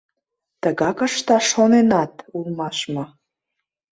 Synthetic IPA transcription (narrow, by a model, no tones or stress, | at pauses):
t̪əɣɑkəʃt̪ɑʃonenɑt̪ulˠmɑʃmɤ̆